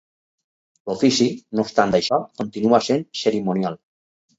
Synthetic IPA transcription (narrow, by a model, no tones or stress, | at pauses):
lofisinost̪and̪ajʃɔkont̪inuasenseɾimonjal